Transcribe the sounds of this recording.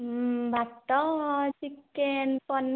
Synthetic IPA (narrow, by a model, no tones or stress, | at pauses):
bʱaʈːʌsikːenpʌn